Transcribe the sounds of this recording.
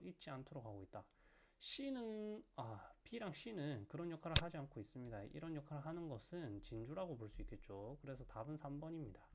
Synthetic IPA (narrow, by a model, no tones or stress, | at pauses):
it̚t͡ɕ͈iantʰoɾokɦaɡoit̚t͈a | ɕ͈inɯnapiɾaŋɕ͈inɯnkɯɾʌnjʌkʰaɾɯɭɦad͡ʑiankʰois͈ɯmɲidaḭɾʌnjʌkʰaɾɯɭɦanɯnɡʌsʰɯnt͡ɕind͡ʑuɾaɡopoɭs͈uik͈e̞t̚t͡ɕ͈okɯɾe̞sʰʌtabɯnsʰambʌɲimɲida